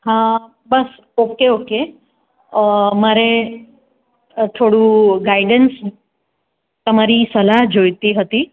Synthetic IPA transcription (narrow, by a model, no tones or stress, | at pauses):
ɦã | bəs | okeoke | maɾe | t̪ʰoɽũɡaiɖəns | t̪əmaɾisəlaɦd͡ʒojt̪iɦət̪i